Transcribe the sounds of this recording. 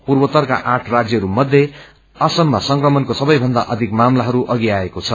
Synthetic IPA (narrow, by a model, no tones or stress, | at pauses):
purbʌt̪ʌrka̰ʔaʈʰrad͡zjʌɦʌɾumʌd̪ʱːje | ʌsʌmːasʌŋkrʌmʌnkosʌbʌjbʱʌnd̪aʔʌd̪ʱikmamlaɦʌɾuʔʌɡiaekot͡sʰʌ